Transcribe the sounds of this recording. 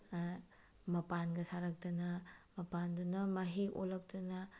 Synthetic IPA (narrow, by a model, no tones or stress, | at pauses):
mɐpanɡɐsaɾɐk̚tɐnɐmɐpandunɐmɐɦiʔo̰lɐk̚tɐnɐ